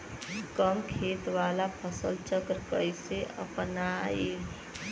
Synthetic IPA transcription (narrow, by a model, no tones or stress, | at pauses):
kəmkʰeːt̪ʋaːlapʰəsəlt͡ʃəkɾkəjseʔə̰pnae